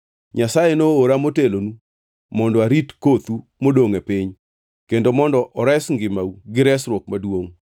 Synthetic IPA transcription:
ɲasajenoːɾamotelonu | mɔndɔaɾitkot̪u | modoŋepɪɲ | kendomɔndɔʔɔɾɛsŋɡɪmauɡɪɾɛsɾwok̚madwoŋ

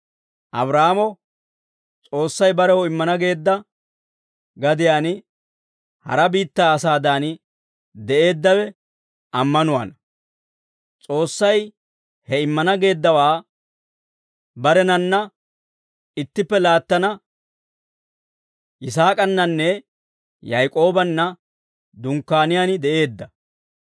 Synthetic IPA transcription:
ʔɐ̰bɾaːmɔ | t͡sʼo̞ːsːɐjbɐɾɛhɔɪmːɐnɐɡe̞ːd̪ːɐ | ɡɐd̪ɪjaːn | hɐ̰ɾɐbiːt̪ːaːsaːd̪aːn | d̪ɛʔe̞ːd̪ːɐwɛ | ʔɐmːɐnʊwa̰ːnɐ | t͡sʼo̞ːsːɐj | hɛɪmːɐnɐɡe̞ːd̪ːɐwaː | bɐɾɛnɐnːɐ | ɪt̪ːɪpːɛlaːt̪ːɐnɐ | ʔɪs̬aːkʼɐnːɐnːɛ | jɐjkʼo̞ːbɐnːɐ | d̪ʊŋkːaːnɪjaːnɪd̪ɛʔe̞ːd̪ːɐ

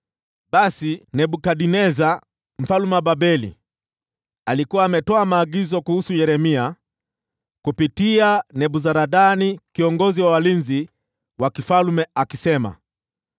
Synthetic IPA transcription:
ɓasinɛɓukaɗinɛza | m̩falumɛɓabɛlḭ | alikuwaːmɛtɔamaːɡizɔkuhusujɛɾɛmia | kupitianɛɓuzaɾaɗanikiɔŋɡɔziwawalinzi | wakifalumɛakisɛma̰

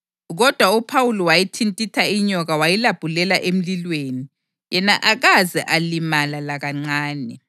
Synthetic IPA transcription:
ɣɔd̥ʱwaupʰawulɔwajitʰintʼitʰaiɲɔɣawajilab̥ʱulɛlaʔem̩lilweːni | jɛnaʔaɣazɛʔalimalalaɣaŋ͡ǀaːnɛ

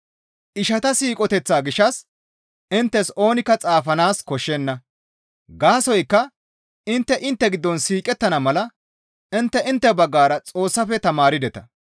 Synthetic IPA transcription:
ʔɪʃɐt̪ɐsiːkʼɔt̪ɛt͡sːaːɡɪʃːɐs | ɪnt̪ːɛso̞ːnɪkːɐt͡sʼaːfɐnaːskɔʃːɛnːɐ | ɡaːsɔjkːɐ | ɪnt̪ːɛʔɪnt̪ːɛɡɪd̪ːɔnsiːkʼɛt̪ːɐnɐmɐlɐ | ɪnt̪ːɛɪnt̪ːɛbɐɡːaːɾɐt͡sʼo̞ːsːɐfɛt̪ɐmaːɾɪd̪ɛt̪ɐ

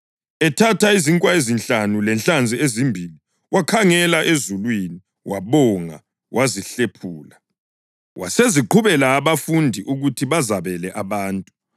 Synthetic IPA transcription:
ɛtʰatʰaiziŋkʼwaezint͡ɬanulɛnɬand͡zʱiezimbʱili | wʔakʰaŋɛlaʔezulwini | wʔaβɔŋa̰ | wʔaziɬepʰuːla | wʔa̰seziǃʰuβɛlaːβafundʱiʔuɣutʰiβazaβɛlɛʔaβaːntʼu

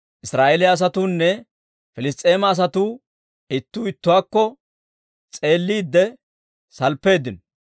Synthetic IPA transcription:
ʔɪsɾaːʔelɪjaːs̬ɐt̪uːnːɛ | fɪlɪs̬t̪ʼe̞ːmɐːs̬ɐt̪uː | ɪt̪ːuːɪt̪ːʊwaːkːɔ | t͡sʼe̞ːlːiːd̪ːɛ | sɐlpːe̞ːd̪ɪnɔ

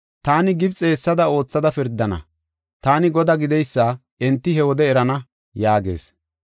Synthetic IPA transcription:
t̪aːnɪɡɪbt͡sʼe̞ːsːɐd̪ɐo̞ːt͡sːɐd̪ɐfɪɾd̪ːɐnɐ̰ | t̪aːnɪɡɔd̪aɡɪd̪ɛjsːɐ | ɛnt̪ːɪɦɛwɔd̪ɛːɾɐnɐ | jaːɡe̞̰ːs

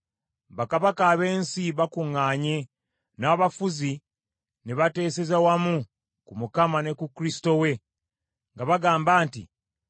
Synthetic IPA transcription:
βakaβakaːβe̞ːnsiβakuŋːaːɲe̞ | naːβafuzi | neβate̞ːse̞zawamu | kumukamane̞kukɾisi̥to̞we̞ | ŋɡaβaɡaːmbaːntḭ

